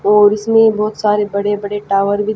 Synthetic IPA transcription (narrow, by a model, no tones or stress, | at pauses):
ɔːɾɪsmẽbɔːt̪saːɾebɐɽebɐɽeʈaːʋəɾbʱi